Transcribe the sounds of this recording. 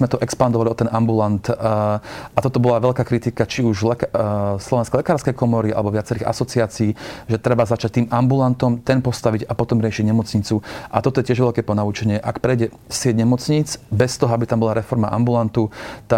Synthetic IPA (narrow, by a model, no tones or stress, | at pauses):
mɛt̪ɔʔɛkspand̪ɔʋaliɔt̪ːɛnʔambulant̪ | at̪ɔt̪ɔbɔlaʋɛʎkaːkɾit̪ikat͡ʃiuʒlɛkslɔʋɛnskɛlɛkaːɾskɛjkɔmɔɾia̰lɛbɔʋɪat͡sɛɾiːɣa̰sɔt͡siaːt͡siːʒɛt̪ɾɛbazat͡ʃac̚t̪iːmambulant̪ɔmt̪ɛnpɔst̪aʋiɟapɔt̪ɔmɾɪɛʃiɟɲɛmɔt͡sɲit͡suʔat̪ɔt̪ɔjɛcɪɛʒʋɛʎkɛːpɔnaut͡ʃɛɲɪɛʔakpɾɛjɟɛ | sɪɛɟɲɛmɔt͡sɲiːt͡sbɛst̪ɔɦɔabit̪ambɔlaɾɛfɔɾma̰ʔa̰mbulant̪ut̪a